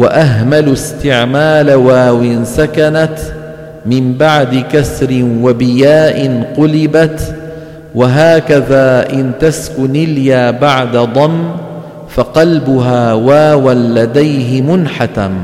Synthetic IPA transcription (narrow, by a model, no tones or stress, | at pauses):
waʔaɦmalʊst̪ɪʕmaːlawaːwɪnsakanat̪ | mɪmbaʕd̪ɪkasɾɪnwabɪjaːʔɪnqʊlɪbat̪ | waɦaːkaðaːʔɪnt̪askʊnɪljaːbaʕd̪ad̪ˤɑmː | faqɑlbʊɦaːwaːwanlad̪ajɦɪmʊnħat̪a